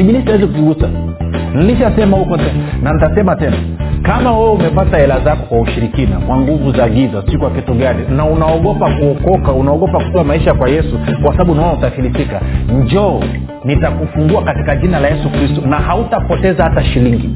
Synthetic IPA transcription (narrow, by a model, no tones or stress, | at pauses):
iɓilisiawɛzikuziɡusa | niliʃasɛmahukɔtɛnanitasɛmatɛna̰kamawɛumɛpataɛlazakɔkwauʃiɾikina̰kwaŋɡuvuzaɡizasikuwakɛtuɡaninaunaɔɡɔpakuɔkɔkaunaɔɠɔpakukuamaiʃakwajɛsukwasaɓaɓunaɔnautafilifikaɲd͡ʒɔː | nitakufuŋɡuakatikaʄinalajɛsukɾistɔnahautapɔtɛzahataʃiliŋɡi